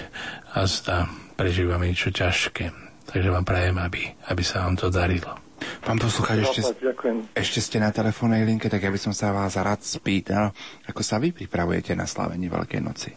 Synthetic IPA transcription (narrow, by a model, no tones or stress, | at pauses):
azd̪apɾɛʒiːʋamɛɲɛt͡ʃɔcaʃkɛːt̪ʰaɡʒɛʋaːmpɾɛjɛmabiabisaʋaːmt̪ɔd̪aɾilɔ | paːmpɔsluxaːt͡ʃɛɛakujɛmɛʃcɛscɛnat̪ɛlɛfɔːnːɛjliŋkɛt̪aɡjabisɔmsaʋaːzɾaːt̪spiːt̪alakɔsaʋipɾipɾaʋujɛ̰cɛna̰sla̰ʋɛ̰ɲɪɛʋɛ̰lkɛ̰jnɔ̰t͡si̥